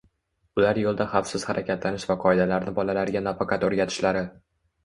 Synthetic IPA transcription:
ʊlaɾjolˠd̪aχɑfsɪz̥haɾʔakʲat̪lanɪʃvaqʰɒɪd̪alaɾnɪbɒlalaɾɡʲanafakʰɑt̪oɾɡʲat̪ʰɪ̥ʃlaɾɪ

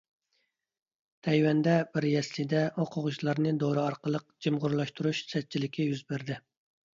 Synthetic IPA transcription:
t̪ʰɛjwɛnd̪ɛbɪɾjɛslɪd̪ɛoqʰʊʁʊʃlˠɑɾnɨd̪oɾɨɑɾqəlˠəq̚d͡ʒimʁʊɾlˠɑʃt̪uɾuʃsɛt̪̚t͡ʃʰilɪkʲʰɛjyzbɪɾd̪ɪ

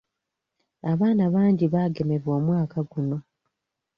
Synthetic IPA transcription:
aβaːnaβaːɲɟiβaːɡe̞me̞βwoːmwaːkaɡuno̞

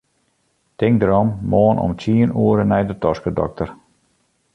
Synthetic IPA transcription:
tɪŋk̚dəɾɔmːoːənʔɔ̰mtʰiənuəɾənɛjdətɔskədɔ̰k̚tər

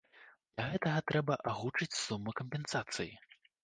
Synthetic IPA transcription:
d̪lʲɐɣɛt̪ɐɣɐt̪ɾɛbɐʔaɣut͡ʂɨt͡sʲsumːɨkɐmʲpʲɛnsat̪sɨji

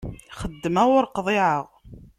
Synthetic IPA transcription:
χəd̪ːəmæʁʊɾqðˤeʕəʁ

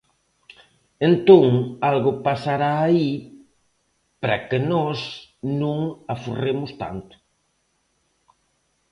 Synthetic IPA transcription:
ent̪õŋalɣʊpasaɾaːi | pɾakɪnɔsnũŋafuremʊst̪a̰nt̪ʊ̥

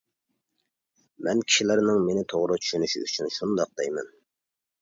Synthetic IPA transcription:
mɛnkʲʰi̥ʃilɪɾnɪŋmenɪt̪ʰoʁɾʊt͡ʃʰy̥ʃynyʃḭy̰t͡ʃʰynʃund̪ɑq̚d̪ɛjmɛ̰n

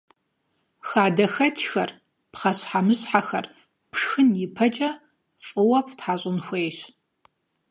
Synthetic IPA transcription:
xaːdɐxɐtʰxɐr | pχɐɕħamɨɕʼħaxɐ̰r | pʰʂxɨnjipʰɐt͡ʃʼɐ | fʼɨwɐpʰtħaɕʼɪnxʷeːjɕ

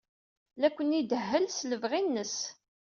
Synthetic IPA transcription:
lækʷːənid̪əɦːəlsləvʁinːəs

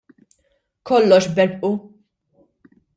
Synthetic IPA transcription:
kɔlːɔʃbɛɾpʔu

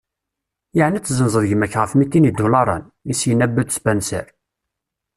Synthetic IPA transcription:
jəʕnæt͡sːzənzˤəðʝəmæçʁəfmit̪ːinid̪ulɑɾˤɑ̰n | isjənæbːəd̪spænsæ̰ɾ

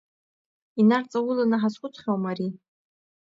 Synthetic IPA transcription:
inart͡sʼawʊlanaħaskʷʼʊt͡sʰχʲawmaɾi

